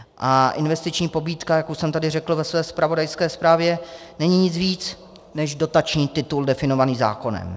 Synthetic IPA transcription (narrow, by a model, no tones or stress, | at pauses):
ʔaʔɪnvɛst̪ɪt͡ʃɲiːpo̞biːt̪kajakuʃsɛmt̪adɪrɛkl̩vɛsvɛːspɾavo̞dajskɛːspɾaːvjɛnɛɲiɲɪt͡sviːt͡s | nɛʒdo̞t̪at͡ʃɲiːt̪ɪt̪uldɛfɪno̞vaniːza̰ːko̞nɛ̰m